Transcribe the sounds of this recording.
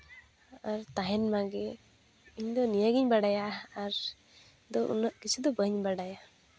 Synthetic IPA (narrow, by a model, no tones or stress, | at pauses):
aɾt̪aɦɛnmaɡɛ | iɲd̪ɔnijaɡiɲbaɽajaaɾ | d̪ɔʔṵnəʔkit͡ʃʰud̪ɔbəɲbaɽaja